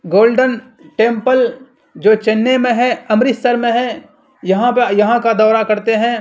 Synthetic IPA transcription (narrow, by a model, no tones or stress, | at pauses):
ɡoːlɖən | ʈẽːmpəl | d͡ʒoːt͡ʃɐnːemẽɦɛ̃ɐmɾɪsəɾmẽɦɛ̃ | jɐɦãjɐɦãkad̪ɔːɾakɐɾt̪eɦɛ̃ː